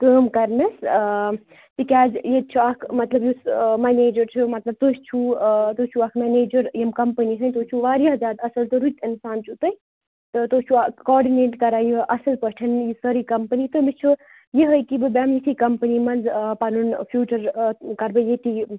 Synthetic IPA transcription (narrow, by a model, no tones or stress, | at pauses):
kəːmkɐɾmes | t̪ikʲaːd͡ʒjet͡ʃʰuakʰmɐt̪lɐbjusmaneːd͡ʒɐɾt͡ʃʰumɐt̪lɐb̚t̪oːst͡ʃʰut̪ot͡ʃʰuaːkʰmɛneːd͡ʒɐɾjemkɐmpənisʰɐnʲt̪oːt͡ʃʰuʋaːɾjaɦzʲaːd̪ɐsɐlt̪ɨɾut̪ʰinsaːnt͡ʃʰut̪əj | t̪ɨt̪oːst͡ʃʰuakɔːɾɖineːʈkɐɾaːjuʔɐsɐlpɐʈʰɐnjisəɾikɐmpənit̪omist͡ʃʰu | jeɦəjkibɨbamit̪ʰikɐmpənimɐnzpanunpʰjuːt͡ʃɐɾkɐɾbɐjeʈ̪i